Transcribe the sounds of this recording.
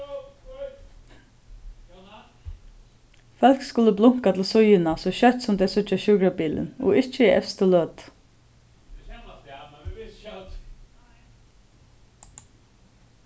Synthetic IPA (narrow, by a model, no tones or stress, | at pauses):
fœl̥kskʊlːəblʊŋ̥kat̪ʰɪlsʊjɪnasɔʃœt̪sʊmd̪ɛːsʏt͡ʃaʃʊːkɹabiːlɪ̰nɔ̰ɪt͡ʃːəiʔɛ̰fst̪əlœːt̪